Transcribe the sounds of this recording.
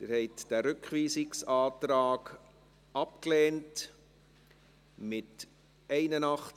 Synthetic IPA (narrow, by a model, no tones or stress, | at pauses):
d̥̪ɪɾhɛɪtd̥æɾʏkχʋiːsɪksɑːtɾɑːɡ | ɑpklɛːnt | mɪt | ɛɪnənɑχ